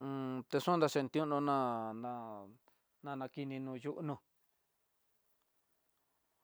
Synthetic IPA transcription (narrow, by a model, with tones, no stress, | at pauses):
t̪e˧ʂũ˦nd̪a˧ʃe˧˨nt̪ĩ˧˦ũ˦nõ˧nã˦˧nã˧ | nã˧nã˧ki˧nĩ˧nũ˧ju˦ʔnũ˧